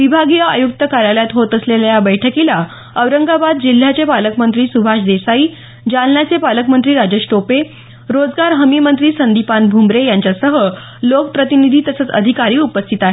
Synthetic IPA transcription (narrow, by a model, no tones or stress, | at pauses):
ʋibʱaɡijaa̰juk̚t̪əkaɾjaljat̪ɦot̪əsleljabəjʈʰəkila | əʋɾəŋɡabad̪̚d͡ʑil̤ːjat͡sepaləkmənt̪ɾiːsubʱaʂd̪esaiː | d͡ʑalnjat͡sepaləkmənt̪ɾiːɾad͡ʑeʂʈope | ɾod͡zɡaɾɦəmimənt̪ɾiːsənd̪ipanbʱumɾejaɲt͡ɕasəɦə | lokəpɾət̪inid̪ʱiːt̪əsət͡sə̰d̪ʱikaɾiːupəst̪ʰit̪aɦe